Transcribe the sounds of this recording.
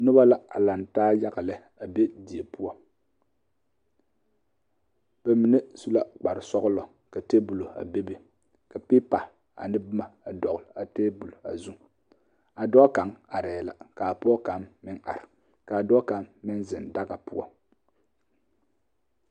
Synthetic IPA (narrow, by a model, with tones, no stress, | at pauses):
nʊ˦ba˦la˦a˨la˨ntaː˦ja˦ɣa˨lɛ˦ | a˨be˦di˨e˨pu˦ɔ˦ | b̥ɛ˨mi˨ne˦su˦la˦k͡pa˨ɾɪ˨sɔ˦ɣɨ˦lɔ˨ | ka˨teː˦bu˨lo˨a̰˨be˦bi˨ | ka˨piː˦pa˨ | a̰˨nɪ˦bɨ˦ma˨a˨dɔ˨ɣʊ˨la˨te˦bu˨lo˨a̰˨zu˦ŋ | a˨dɔ˦ka˨˦ŋa˨ɾɛː˨la̰˨ka˨a˨pɔ˦ɔ˦ka˨mːɪ˦ŋʔa̰˨ɾɪ˨ | ka˨a˨dɔ˦ka˨mːɪ˦nzɪ˨nda˦ɡa˨pu˦ɔ̰˦